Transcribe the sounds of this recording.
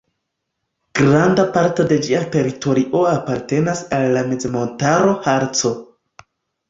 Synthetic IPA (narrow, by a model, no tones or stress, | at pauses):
ɡ̥ɾandapaɾto̞de̞d͡ʒiate̞ɾito̞ɾiʔo̞apaɾte̞nasalːame̞zemo̞ntaɾo̞haɾt͡so̞